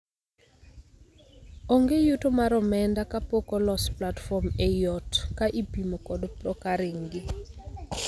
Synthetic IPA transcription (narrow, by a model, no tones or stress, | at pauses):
ɔŋɡejutomaɾɔmɛndakapokɔlɔsplatfɔmejɔtkaʔipimokɔdpɾɔkaɾɪŋɡɪ